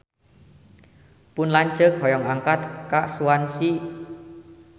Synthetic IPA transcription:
pʊnlaɲt͡ʃəkhɔjɔŋaŋkat̪kaʔsuwansi

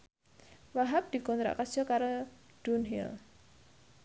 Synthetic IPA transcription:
waɦap̚d̪̥i̤kɔnt̪ɾa̰ʔkḁd͡ʒɔkaɾod̥unɦḭl

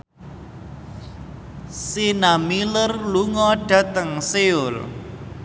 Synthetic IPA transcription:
sinamilərluŋɔɖ̥a̤t̪əŋseʊl

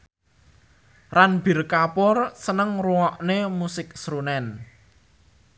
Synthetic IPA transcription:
ranb̥irkapʊrsənəŋruɔʔnemusɪk̚sɾunɛn

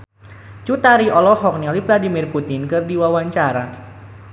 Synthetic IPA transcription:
t͡ʃut̪aɾiʔɔlɔhɔk̚nilifladimirput̪ɪnkɨrdiwawaɲt͡ʃaɾa

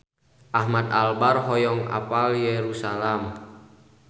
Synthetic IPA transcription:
ʔahmat̪̚albarɦɔjɔŋa̰paljeɾusalam

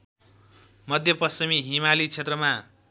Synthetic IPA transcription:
mʌd̪ʱjʌpʌsimiɦimalit͡sʰet̪rʌma

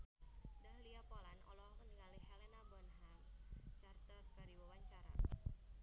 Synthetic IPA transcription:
daɦliapɔlanʔɔ̰lɔŋənŋalihɛlɛnabɔnɦamt͡ʃart̪ərkaɾiwawaɲt͡ʃaɾa̰

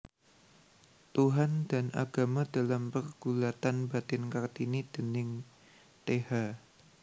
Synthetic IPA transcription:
t̪uɦandanʔa̰ɡ̥amadalampərɡ̥ulat̪anbat̪ɪnkart̪inid̥ənɪŋ | t̪eha

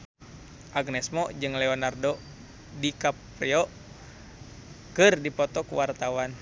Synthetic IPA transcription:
ʔaɡnɛsmɔd͡ʒɨŋlɛɔnardo | dikap | ɾɛɔ | kɨrdipɔt̪ɔkuwart̪awan

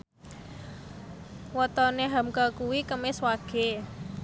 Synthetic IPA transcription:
wɔt̪ɔneɦamkakuwikəmɪswaɡ̥e̤

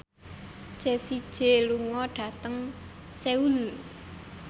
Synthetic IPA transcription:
ʒ̥esid̥ʒ̥e̤luŋɔɖ̥ä̤t̪əŋ | seul

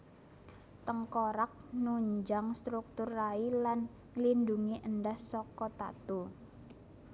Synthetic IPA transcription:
t̪əŋkɔɾak̚nuɲd͡ʒaŋst̪ɾuk̚t̪ʊrːailan | linduŋiʔəndahsɔkɔt̪a̰t̪u

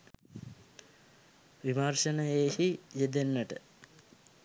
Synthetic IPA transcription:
ʋimarʃənəeːhijed̪enːəʈə

